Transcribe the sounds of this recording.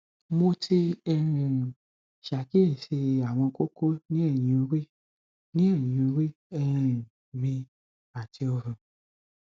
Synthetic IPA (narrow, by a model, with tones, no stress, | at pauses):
mo˧tʰi˧ɛ˧ɾ̃ɛ̃˨ | ʃa˨ki˦e˦˨ʃe˧a˨w̃ɔ̃˧ko˦ko˦nĩ˦ɛ˦˨jĩ˨o˧˦ɾi˦ | nĩ˦ɛ˦˨jĩ˨o˧˦ɾi˦ | ɛ˧ɾ̃ɛ̃˨ | mĩ˧ | a˨ti˧ɔ˧ɾũ˨